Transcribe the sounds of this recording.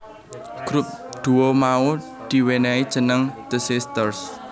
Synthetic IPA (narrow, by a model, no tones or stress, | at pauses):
ɡ̥ɾup̚d̪̥uomau | d̪̥i̤wenɛid̥ʒ̥ə̤nəŋd̪̥əsist̪ərs